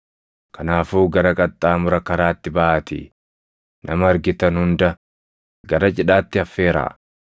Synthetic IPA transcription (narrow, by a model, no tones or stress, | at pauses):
kʰɐnaːfuːɡɐɾɐkʼɐt̪ʼːaːmʊɾɐkɐɾaːt̪ːɪbaʔaːt̪ɪ̰ | nʔɐ̰mɐːɾɡɪt̪ɐnhʊnd̪ɐ | ɡɐɾɐt͡ʃʼɪᶑaːt̪ːɪɐfːe̞ːɾa̰ː